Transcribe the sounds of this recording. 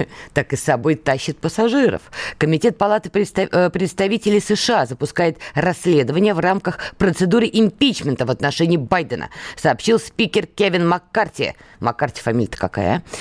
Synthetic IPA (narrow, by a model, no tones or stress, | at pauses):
t̪akɨsɐbojt̪aɕːɪt̪̚pəsaʐɨɾə̰fkəmʲɪtʲe̞t̪̚pɐlˠat̪ɨp̪pɾʲɪt̪st̪ɐvʲitʲɪlʲɪjsəʂɨazəpʊskajɪt̪rɐsʲːlʲe̞d̪əvənʲɪjəvramkəxpɾət̪sɨd̪uɾɨʔɪmʲpʲit͡ɕmʲɪnt̪əvət̪nɐʂɛnʲɪːbajd̪ənʔə̰sɐːpɕilˠspʲikʲɪrkʲevʲɪnmakːartʲɪə̰ | makːartʲɪ̥fɐmʲilʲət̪ə̥kaka̰j̰